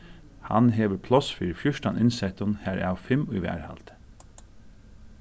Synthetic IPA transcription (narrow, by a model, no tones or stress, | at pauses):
hɑ̰nɦeːʋəɾpʰlɔsfiːɾfjʊʃʈɑnʔɪnsɛt̪ɔnhæːɾæ̰ʊfɛmyʋæ̰ːɾhɑ̰lt̪ə̥